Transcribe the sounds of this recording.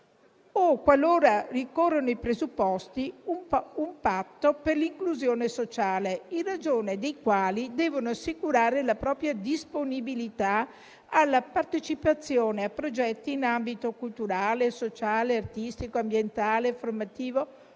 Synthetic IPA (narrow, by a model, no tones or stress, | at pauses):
okːwaloːɾarikorːonoipɾezupːɔst̪iumumpat̪ːoperliŋkluzjoːnesot͡ʃaːleinrad͡ʒoːned̪ejkwaːlid̪ɛːvonoasːikuɾaːɾelapɾɔːpɾjad̪isponibilit̪a | alːapart̪et͡ʃipat̪sːjoːneapːɾod͡ʒɛt̪ːiːnambit̪okult̪uɾaːlesot͡ʃaːleart̪ist̪ikoambjent̪aːleformat̪iːvo